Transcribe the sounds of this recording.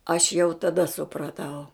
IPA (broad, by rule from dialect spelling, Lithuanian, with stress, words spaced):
ɐʃ jɛʊ tɐˈdɐ sʊprɐˈtɐʊ